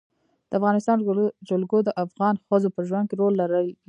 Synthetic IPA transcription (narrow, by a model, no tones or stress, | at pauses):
d̪̥əafɣɑnɪst̪ɑnd͡ʒolɡod̪əʔafɣɑnxəzopəʒwan̚keɾolːaɾəl